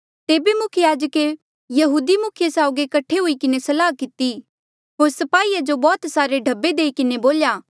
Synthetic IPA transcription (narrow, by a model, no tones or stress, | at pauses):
t̪eːbemʊkʰəjaːd͡ʒəke | jɐɦuːd̪imʊkʰjesaːʊɡekɐʈʰːeɦuikɪnesɐlaːkɪt̪i | ɦoːɾsɐpaːiːad͡ʒobɔːt̪saːɾeɖʱɐbːed̪eːikɪneboːljaː